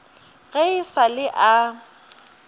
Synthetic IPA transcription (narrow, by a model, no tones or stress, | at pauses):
ɣeɪsalɪʔa